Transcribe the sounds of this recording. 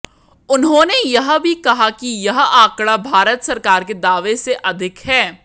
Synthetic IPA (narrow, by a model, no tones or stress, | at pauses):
ʊnɦõnejɐɦbʱikɐɦakijɐɦãːkɽabʱaːɾət̪sɐɾkaːɾked̪aːʋeseʔɐd̪ʱɪkɦɛː